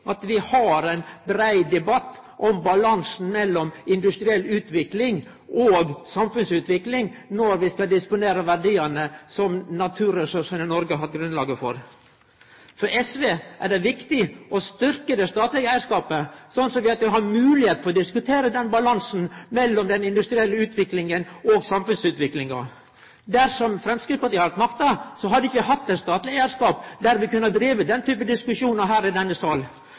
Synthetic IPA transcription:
ʔɑt̪ʋɪhɑɾæɪnbɾæɪd̪ɛbɑt̪ːʔɔmbɑlɑnsn̩mɛlːɔmɪnd̪ʉst̪ɾɪɛlːʉːt̪ʰʋɪklɪŋ | ʔoːɡsɑmfʉnsʉːt̪ʰʋɪklɪŋnɔɾʋɪskɑd̪ɪspʊneːɾəʋæɖiːənəsɔmnɑt̪ʰʉːɾɛsʉʂənənɔɾɡəɦɑt̪ɡɾʉnlɑːɡəfɔ̰ɾ | fɔɾɛsʋeːʔæɖɛʋɪkt̪ɪʔɔst̪ʏɾkəd̪ɛst̪ɑːt̪lɪɡəæɪɾʂkɑːpəsɔnːsɔmʋɪɑt̪ʋɪɦɑɾmʉːlɪheːt̪̚p̪ʰɔɔd̪ɪskʉt̪ʰeːɾəd̪ɛnbɑlɑnsn̩mɛlːɔmd̪ɛnɪnd̪ʉst̪ɾɪɛlːəʉːt̪ʰʋɪklɪŋənɔːɡsɑmfʉnsʉːt̪ʋɪklɪŋɑ̰ | d̪æɾʂɔmfɾɛmskɾɪt̪pɑt̪ɪːhɑɾt̪mɑkt̪ɑsɔɦɑd̪əɪkːəʋɪhɑt̪ːɛt̪st̪ɑːt̪lɪɡæɪəɾʂkɑːpd̪æɾʋɪkʉnːɑd̪ɾiːʋəd̪ɛnt̪ʰyːpəd̪ɪskʉʂuːnəɾɦæːɾɪd̪ɛnːəsɑl

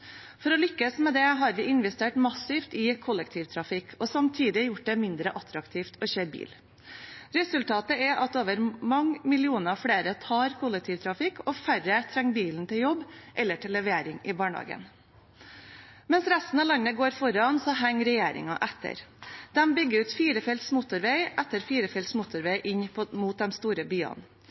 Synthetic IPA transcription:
fɔɾɔlʏkːəsmɛd̪ɛɦɑɾʋɪʔɪnʋɛst̪eːʈmɑsɪft̪ɪkʰʊlːɛkt̪ʰiːʋt̪ʰɾɑfɪkʰːɔsɑmt̪ʰiːd̪ɪjʊʈ̚d̪ɛmɪnd̪ɾəʔɑt̪ɾɑkt̪ʰiːft̪ʰɔçøːɾbḭːl | ɾɛsʉlt̪ʰɑːt̪əɛʔɑt̪oːʋəɾmɑŋːmɪlɪuːnəɑfɽeːɾət̪ʰɑːɾkʰʊlːɛk̚t̪ʰiːʋt̪ʰɾɑfɪkːɔfæɾət̪ʰɾɛŋbiːln̩t̪ɪljɔbːʔɛlːəʈʰɪlːɛʋeːɾɪŋɪbɑːɳhɑ̰ːɡə̰n | mɛnsɾæst̪n̩ɑlɑnːəɡoːɾfɔɾɑnsɔɦæŋːɾɛjeːɾɪ̰ŋɑʔɛt̪ʰːə̰ɾd̪̥ɛmbʏɡːəʉːt̪fiːɾəfɛlt̪smʊt̪ʊɾʋeɪʔɛt̪ːəɾfiːɾəfɛlt̪smʊt̪ʊɾʋeɪʔɪɲpʰɔmuːt̪̚d̪ɛnst̪uːɾəbyːɑ̰n

